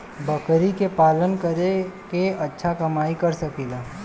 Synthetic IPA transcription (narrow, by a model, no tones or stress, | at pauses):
bəkɾikepaːlənkəɾekeɐtːʃʰakɐmaːikɐɾsɐkiːlaː